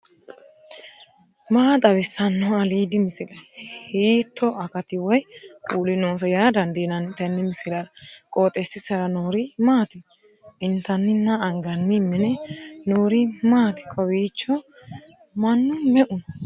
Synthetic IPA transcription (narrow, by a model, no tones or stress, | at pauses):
maːt̪ʼɐβɪsɐnːɔɐliːd̪ɪmɪsɪlɐjhiːt̪ʰːɔʔɐkɐt̪ɪwɔjkʼuːlɪnoːs̬ɐjaːd̪ɐnd̪enɐnɪt̪ɐnːɪmɪsɪlɐɾɐkʼoːt̪ʼːɛsːɪsɐɾɐnoːɾɪmaːt̪ɪ | ɪnt̪ɐnːɪnːɐːŋɡɐnːɪmːɛnɛnoːɾɪmaːt̪ɪ̥kʼɔwiːt͡ʃːɔ | mɐnːʊmɛʔʊn